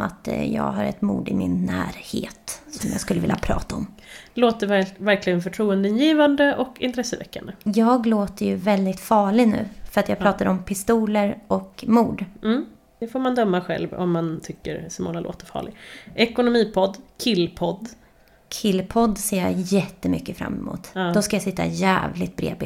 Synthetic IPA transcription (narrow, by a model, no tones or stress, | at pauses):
a̰t̪jɑ̰ːɡɦaɾɛ̰t̪mṵːd̪ɪmɪnːæ̰ːɾhḛːt̪sɔmjɑ̰ːɡskɵləvɪlːʔa̰pʰɾɑ̰ːt̪aɔm | loːt̪əvæɾklɪɡənfœʈʰɾuːənd̪ənjiːvand̪əʔɔkɪ̰nt̪ɾɛsːəvɛ̰kːa̰nd̪əjɑːɡloːt̪əɾjɵvɛld̪ɪt̪fɑːɭɪɡnʉ̟ːfœɾat̪jɑɡ̚pʰɾɑːt̪ad̪ɔmpʰɪst̪uːləɾɔkmuːɖm̩ː | d̪̥ɛfoːɾmand̪œmːaɧɛ̰lvɔ̰mːant̪ʰʏkːə̰ɾsɔmɔ̰ːŋalo̰ːt̪əɾfɑ̰ːɭɪɡʔɛkʊnʊmiːpʰɔd̪kʰɪlːpʰɔd̪ | kʰɪlːpʰɔd̪ːseːja̰jɛt̪ːəmʏkːəfɾa̰mːɛmṵːt̪ːd̪ɔskajasɪt̪ːa̰jæ̰ːvlɪt̪̚bɾḛːbɪ̰